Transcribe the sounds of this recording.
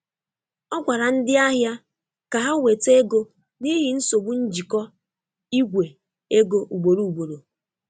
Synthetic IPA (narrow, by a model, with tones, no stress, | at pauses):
ɔ˦ɡʷa˨ɾa˨n̩˦dɪ˦a˦ɦja˦ | ka˨ɦa˦we˨te˦ɡo˦ | ni˦ɦɪ˨n̩˦so˨ɡ͡bu˦n̩˦d͡ʒi˨kɔ˦ | i˦ɡʷe˨ | e˦ɡo˦ʔu˨ɡ͡bo˨ɾu˨u˨ɡ͡bo˨ɾo˨